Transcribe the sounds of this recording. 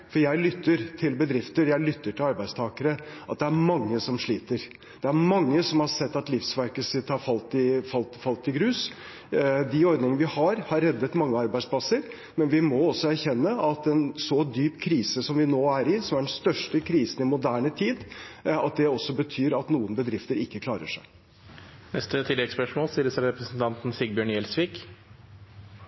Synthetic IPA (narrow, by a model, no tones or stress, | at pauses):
fɔɾjæɪlʏt̪ːəɾt̪ʰɪlbəd̪ɾɪft̪əɾjæɪlʏt̪ːəʈʰɪlɑɾbæɪd̪st̪ʰɑːkəɾəʔɑt̪̚d̪ɛæɾmɑŋːəsɔmʂɭiːt̪əɾ | d̪̥ɛæɾmɑŋːəsɔmhɑsɛt̪ːɑt̪lɪfsʋæɾkəsɪt̪ːhɑɾfɑlt̪ɪfɑlt̪fɑlt̪ːɪɡɾʉːs | d̪ɪɔɾd̪nɪŋnəʋɪhɑɾhɑɾːɛd̪ːət̪mɑŋːəɑɾbæɪd̪splɑsəɾ | mɛnʋɪmɔɔsːɔæɾçɛnːəɑt̪ɛnsɔd̪yːpkʰɾiːsəsɔmʋɪnoːæɾɪsɔmæɖɛn̩st̪œʂʈəkʰɾiːsn̩ɪmʊd̪æːɳət̪ʰiːd̪ɑt̪̚d̪ɛɔsːɔbət̪ʰyːɾɑt̪nuːənbəd̪ɾɪft̪əɾɪkːəkʰlɑːɾə̰ʂæɪ | nɛst̪ət̪ʰɪlːɛɡspœʂmoːlsiːɾəsæɾɾɛpɾəsn̩t̪ʰɑnt̪n̩sɪɡ̚bjøːɳjɛlsʋiːk